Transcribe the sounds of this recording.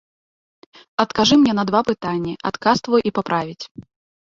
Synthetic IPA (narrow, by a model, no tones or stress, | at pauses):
ɐt̪kaʐɨmnʲɛn̪ɐd̪vapɨt̪anʲːiʔa̰t̪kast̪vujʔipapɾavʲit͡sʲ